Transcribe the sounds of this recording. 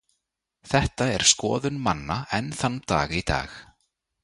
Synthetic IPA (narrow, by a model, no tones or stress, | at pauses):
θɛht̪aɛɾ̥skɔ̰ːðʏnmanːaɛnθanːt̪aːɣit̪a̰ːx